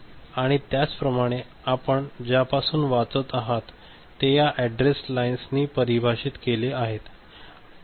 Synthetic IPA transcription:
aɽ̃it̪jat͡spɾəmaɽ̃e | apəɳd͡ʑjapasuːnʋat͡sət̪aɦat̪ː | ejaʔæɖɾeslainsniːpəɾibʱaɕiːt̪keleaɦet̪

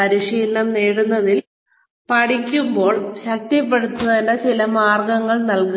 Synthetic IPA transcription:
ɐɾiʂiːlnɐmneːɽunːɐðil | pɐɽikʲːumbo̞ːɭɕɐk̚tːɐpːeɽut̪ːɐðɐnːɐt͡ɕilɐmaːrɡɐŋːɐɭnɐlku

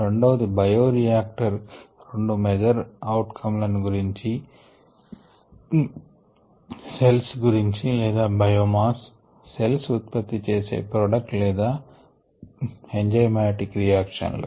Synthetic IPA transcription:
ɾe̞ɳɖɐʋɐd̪ibɐjoːɾijaːk̚ʈɐɾɾo̞ɳɖumed͡ʒɐɾɐwʈkʰɐmlɐniɡuɾiɲt͡ʃi | selsɡuɾiɲt͡ʃilɛːd̪aːbɐjoːmaːsː | e̞lsut̪̚pɐt̪ːit͡ʃeːse̞̰ːpɾoːɖɐk̚ʈlɛːd̪aː | eɲd͡ʒɐjmaːʈikɾijaːkʂɐ̰nlṵ

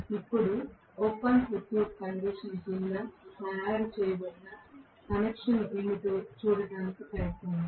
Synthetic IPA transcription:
ipːuɽu | oːpɐnput̪joːkɐŋɡɾesiːd͡ʒinlaːnɐjaːɾit͡ʃɛːjɐbɐɽinɐ | kɐnekʂɐneɳːit̪oːt͡ʃuːɽɐɖaːnikipeɾɐt̪oːnd̪i

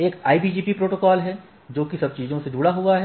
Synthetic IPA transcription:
eːkaːibiːd͡ʒiːpipɾoːʈoːkɔːlɦɛ | d͡ʒoːkisɐb̚t͡ʃiːzõsed͡ʒuːɽaɦuaɦɛ

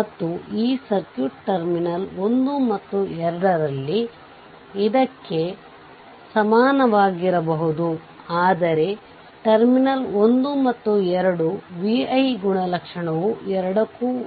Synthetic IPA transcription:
mɐt̪ːuiːsɐɾkjuːʈʈɐɾminɐlo̞nd̪umɐt̪ːuɛɾɐɽɐɾɐlːiː | d̪ɐkːe̞ | sɐmaːnɐʋaːɡiɾɐbɐɦud̪u | aːd̪ɐɾe̞ | ʈɐɾminɐlond̪umɐt̪ːuɛɾɐɽuʋiɐjɡuɳɐlɐkʂɐɳɐʋuɛɾɐɽɐkuː

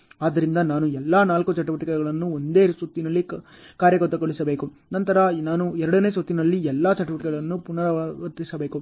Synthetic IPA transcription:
aːd̪ːɐɾind̪ɐnaːnuɛlːaːnaːlkut͡ʃɐʈuʋɐʈikɛɡɐɭɐnːuond̪e̞ːsot̪ːinɐlːi | kaːɾjɐkɐt̪ːɐɡoɭisɐbe̞ːku | nɐnt̪ɐɾɐnaːnuɛɾɐɽɐneːsot̪ːinɐlːiɛlːaːt͡ʃɐʈuʋɐʈikɛɡɐɭɐnːupunɐɾɐʋɐɾt̪isɐbe̞ːku

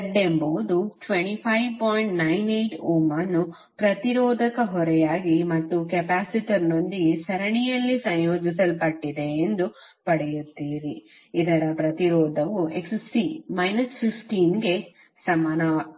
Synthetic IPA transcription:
ɐɖːembɐʋud̪uʈʋeɳʈipʰɐjʋpoːjiɳʈnɐjnejʈuːmanːu | pɾɐt̪iɾɔːd̪ʱɐkɐɦɔɾɛjaːɡimɐt̪ːukɛpaːsiʈɐɾno̞nd̪iesɐɾɐɳijɐlːisɐ̃jjoːd͡ʒis̬ɐlpɐʈːid̪e̞ːnd̪upɐɽɛjut̪ːiːɾi | id̪ɐɾɐpɾɐt̪iɾɔːd̪ʱɐʋuekssimɐjnɐspʰipʰʈiːnɡe̞ | sɐmaːnɐ

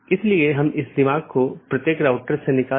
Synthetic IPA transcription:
ɪslieɦɐmɪsd̪ɪmaːɡ̚kopɾɐt̪jeːkɾaːʊʈəɾsenɪkaː

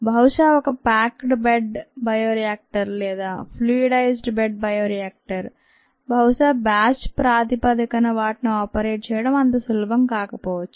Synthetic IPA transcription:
bʱɐwʂaːɔkɐpaːkʈbeɖbɐjoːɾijaːk̚ʈɐɾlɛːd̪aːpʰluiɖɐjsɖbeɖ̚bɐjoːɾijaːk̚ʈɐɾ | bʱɐwʂaːbaːt͡ʃpɾaːd̪ipɐd̪ikɐnɐʋaːʈinuaːpɐɾeːʈ̚t͡ʃɛːjɐɽɐmɐnt̪ɐsulɐbʱɐmkaːkɐpɔːʋɐt͡ʃːu̥

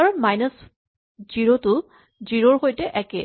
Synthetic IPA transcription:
aɹmajnəs | ziɹotʊ | ziɹɔɹxojtɛʔɛkɛ

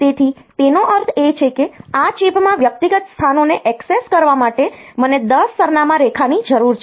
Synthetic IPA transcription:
t̪et̪ʰit̪enoʔəɾt̪ʰet͡ʃʰekeat͡ʃipmãʋjək̚t̪iɡət̪st̪ʰanoneʔɛkseskəɾʋamaʈeməned̪əsːəɾnamãɾekʰanid͡ʒəɾuɾt͡ʃʰ

